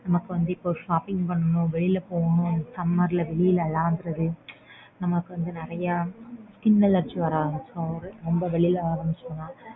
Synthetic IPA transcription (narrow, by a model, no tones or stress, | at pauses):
nɐmɐkːɯʋɐnd̪ɯɪpːoːʂaːpɪŋɡpɐɳːɐnʊ̃ʋɛɭɪlɐpoːɣɐnʊ̃ɐsɐmːɐɾlɐʋɛɭɪjɪlɐlaːnd̪ɯɾɐðɯ | nɐmɐkːɯʋɐnd̪ɯnɪɾɐjɐskɪnːɐlɐɾt͡ʃːɯʋɐɾaːsoːɔɾɯɾɔmbɐʋɛɭɪlaːɾɐmbɪt͡ʃːɐnːaː